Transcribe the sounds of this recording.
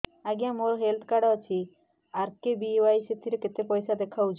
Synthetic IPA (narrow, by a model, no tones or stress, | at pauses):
aɡijamoɾɦelt̪ʰkaɖat͡ʃʰi | aɾkebiwajset̪ʰiɾeket̪epɔjsad̪ekʰawt͡ʃʰ